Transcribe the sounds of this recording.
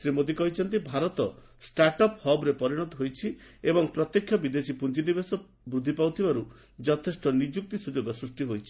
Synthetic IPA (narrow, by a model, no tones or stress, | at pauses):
sɾimod̪ikɔɦit͡ʃʰɔnt̪̬ibʱaɾɔt̪ɔ | sʈaɾʈɔphɔbɾepɔɾiɽ̃ɔt̪ɔɦojt͡ʃʰiebɔŋpɾɔt̪jekʰjɔbid̪esipund͡ʒinibesɔ | bɾud̪ʱːipawt̪ʰibaɾu | d͡ʒɔt̪ʰesʈɔnid͡ʒuk̚t̪isud͡ʒoɡɔsɾusʈiɦojt͡ʃʰi̥